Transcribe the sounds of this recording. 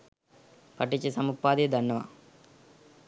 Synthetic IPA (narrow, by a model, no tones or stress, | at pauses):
pɐʈːit͡ʃːisɐmupːaːd̪ed̪ʱɐɳːɐʋa̰